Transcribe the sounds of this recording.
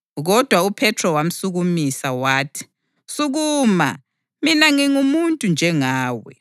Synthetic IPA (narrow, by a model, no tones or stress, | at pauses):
ɣɔd̥ʱwaupʰɛtʰrɔwam̩suɣumisawaːtʰi̥ | suɣuːma̰ | minaŋiŋumuntʼund͡ʒʱɛŋaːwɛ̰